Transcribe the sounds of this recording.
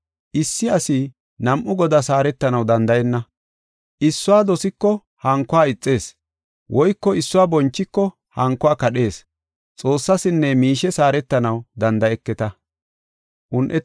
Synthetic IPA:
ʔɪsːɪɐsi | nɐmʔʊɡɔd̪ɐsaːɾɛt̪ːɐnɐwd̪ɐnd̪ɐjɛnːɐ | ʔɪsːʊaːd̪ɔsɪkːɔ | hɐŋkːʊaːɪt͡sʼːe̞ːs | wʔɔjkːɔɪsːʊwaːbɔnt͡ʃːɪkːɔ | hɐŋkːɔaːkɐɗe̞ːs | t͡sʼo̞ːsːɐsɪnːɛmiːʃɛsaːɾɛt̪ːɐnɐwd̪ɐnd̪ɐjɛkːɛt̪ɐ | ʔʊnʔɛ

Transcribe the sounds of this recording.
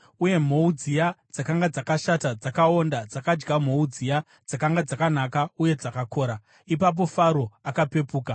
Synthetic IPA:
uje̞m̤oud͡zijad͡zakaŋɡad͡zakaʃatad͡zakao̞ndad͡zakad͡ʒɡam̤o̞ud͡zija | d͡zakaŋɡad͡zakanakauje̞d͡zakakʰo̞ːɾa | ipap̬o̞faɾo̞akape̞puːka

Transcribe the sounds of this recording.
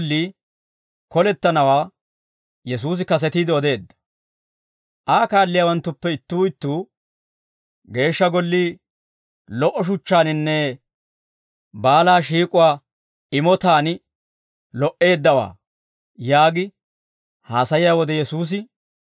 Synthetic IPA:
lːiː | kɔlɛt̪ːɐnɐwaː | jɛs̬uːs̬ɪkɐs̬ɛt̪iːd̪ɪɔd̪e̞ːd̪ːɐ̥ | ʔaːkaːlːɪjaːwɐnt̪ːʊpːɛɪt̪ːuːɪt̪ːuː | ɡe̞ːʃːɐɡɔlːiː | lɔʔɔʃ̬ʊt͡ʃːaːnɪnːɛ | baːlaːʃiːkʼʊwaː | ɪmɔt̪aːn | lɔʔe̞ːd̪ːɐwa̰ː | jaːɡɪ | haːsɐjɪjaːwɔd̪ɛjɛsuːs̬ɪ

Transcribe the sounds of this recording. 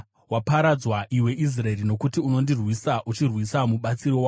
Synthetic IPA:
wapaɾad͡zwaʔiwe̞ʔis̬raerino̞kutiuno̞ndirwisaʔut͡ʃirwisamuɓat͡siɾowa

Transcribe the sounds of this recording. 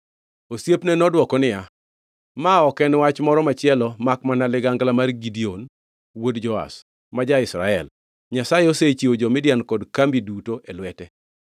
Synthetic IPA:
osjepnɛnɔdwɔkɔnɪja | maɔkɛnwat͡ʃmɔɾɔmat͡ʃɪɛlɔmakmanalɪɡaŋɡlamarɡidion | wodd͡ʒɔa̰s | mad͡ʒaɪsɾa̰ɛl | ɲasajeoset͡ʃiod͡ʒɔmɪdjankɔdkambidutoʔelwɛtɛ

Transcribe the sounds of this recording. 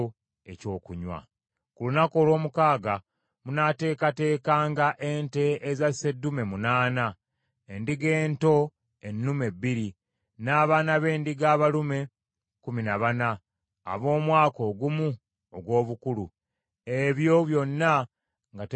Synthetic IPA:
eco̞ːkuɲwa̰ | kulunako̞ːlwo̞ːmukaːɡa | munate̞ːkate̞ːkaːŋɡaʔe̞nte̞ːzase̞dːume̞munaːna | endiɡe̞ːnto̞ | e̞nːume̞bːiɾi | naːβaːnaβe̞ːndiɡaːβalume̞ | kuminaβana̰ː | βo̞ːmwaːko̞ːɡumu | oɡwo̞ːβukulu | eβjo̞βjo̞nːa | ŋɡat

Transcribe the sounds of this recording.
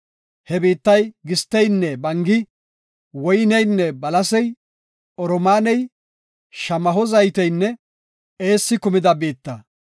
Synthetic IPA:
hɛbiːt̪ːɐjɡɪst̪ːɛjnːɛbɐŋɡɪ | wɔjnɛjnːɛbɐlɐsɛj | ɔɾɔmaːnɛj | ʃɐmɐɦɔzɐjt̪ɛjnːɛ | eːsːɪkʊmɪd̪ɐbeːt̪ːɐ

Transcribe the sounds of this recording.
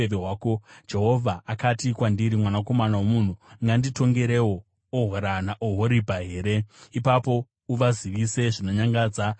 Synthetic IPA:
eʋeɦwaːkod͡ʒe̞ɦo̞vʱaakatikwandiɾimwanako̞manawomun̤uŋɡandito̞ŋɡe̞ɾewo | oɦoɾanaʔoɦoɾibʱaɦe̞ːɾe̞ipapo̞ | uʋaziʋise̞ʐino̞ɲaŋɡaːd͡za

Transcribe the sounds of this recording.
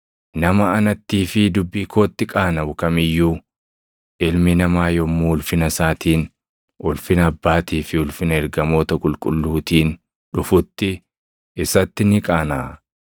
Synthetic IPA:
nɐmɐɐnɐt̪ːiːfɪd̪ʊbːiːkʰo̞ːt̪ːɪkʼaːnɐwʊkɐmɪjːuː | ʔɪlmɪnɐmaːjɔmːuːʊlfɪnɐsaːt̪iːn | ʔʊlfɪnɐbːaːt̪iːfɪʊlfɪnɐɛɾɡɐmo̞ːt̪ɐkʼʊlkʼʊlːuːt̪iːn | ᶑʊfʊt̪ːɪ | ɪsɐt̪ːɪnɪkʼaːnaː

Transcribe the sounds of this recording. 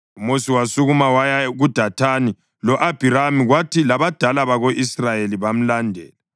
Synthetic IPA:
umusiwasuɣumawajaɣud̥ʱatʰani | lɔʔab̥ʱiɾamiɣwatʰilaβad̥ʱalaβaɣoʔisrajeliβam̩landʱɛːla

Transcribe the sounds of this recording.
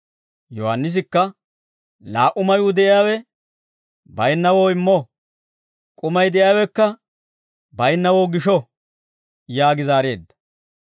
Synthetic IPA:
jɔhɐnːɪs̬ɪkːɐ | laːʔʊmɐjʊd̪ɛʔɪjaːwɛ | bɐjnːɐwoːɪmːɔ | kʼʊmɐjd̪ɛjaːwɛkːɐ | bɐjnːɐwoːɡɪʃɔ | jaːɡɪzaːɾe̞̰ːd̪ːɐ̥

